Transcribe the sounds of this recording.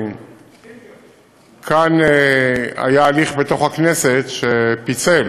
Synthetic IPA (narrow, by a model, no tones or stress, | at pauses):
kʰanea̰jaːliχbet̪o̞χhakneset̪ʃepit͡sel